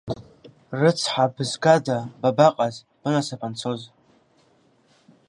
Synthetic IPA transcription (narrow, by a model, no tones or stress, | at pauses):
rɨt͡sʰħabɨzɡadababaqʼaz | b̥ɨnasapʰant͡sʰo̞z